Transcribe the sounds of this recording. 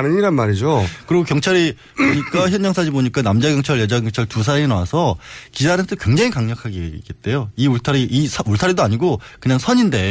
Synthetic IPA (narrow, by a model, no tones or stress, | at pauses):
nɯɲiɾanmaɾid͡ʑokɯɾiɡokjʌŋt͡ɕʰaɾi | poɲik͈açjʌnd͡ʑaŋsʰad͡ʑiboɲik͈anamd͡ʑaɡjʌŋt͡ɕʰaɭjʌd͡ʑaɡjʌŋt͡ɕʰaɭtus̬ʰaɾeinawasʰʌkid͡ʑaɾɯʌt͈ʰːɯkwe̞ŋd͡ʑaŋikaŋɲʌkʰaɡeke̞t̚t͈e̞joiuɭtʰaɾiʔisʰuɭtʰaɾidoaɲiɡokɯɲaŋsʰʌɲinde̞